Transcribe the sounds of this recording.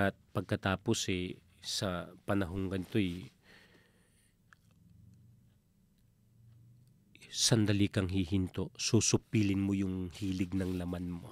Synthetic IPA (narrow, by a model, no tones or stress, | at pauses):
t̪̚pɐɡ̚kɐt̪aːpo̞sɛ | sɐpɐnɐɦo̞ŋɡɐnɪt̪o̞ɛj | sɐnd̪ɐlikɐŋɦiɦɪnt̪oʔsusʊpiːlɪnmojʊŋhiːlɪɡ̚nɐŋlɐmanmo